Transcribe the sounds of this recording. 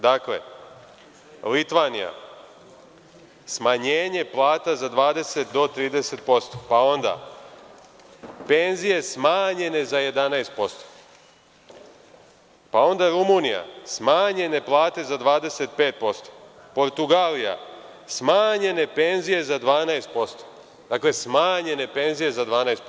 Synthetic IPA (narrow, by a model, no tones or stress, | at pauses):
d̪akle̞̰ | lit̪ʋanḭja̰ | smaɲeːɲe̞plˠaːt̪azad̪ʋaːd̪e̞se̞t̪̚d̪o̞t̪ɾiːd̪ese̞t̪̚po̞st̪opao̞nd̪a̰ | pe̞nzije̞smaːɲe̞ne̞zaje̞d̪anajst̪̚po̞st̪o̥ | pao̞nd̪aɾumunija̰smaːɲe̞ne̞plˠaːt̪e̞zad̪ʋaːd̪e̞se̞t̪̚pe̞ːt̪̚po̞st̪o̥ | po̞ɾt̪uɡaːlija̰smaːɲe̞ne̞pe̞nzije̞zad̪ʋaːnajst̪̚po̞st̪o̥ | d̪aːkle̞smaːɲe̞ne̞pe̞nzije̞zad̪ʋaːnajst̪